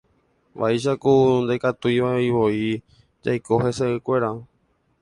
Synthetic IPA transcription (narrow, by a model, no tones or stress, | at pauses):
ʋʔa̰iʃ̬akund̪ekat̪uiʋaeiʋo̞i | d͡ʒa̰jko̞ɦe̞seɨkʷe̞ɾa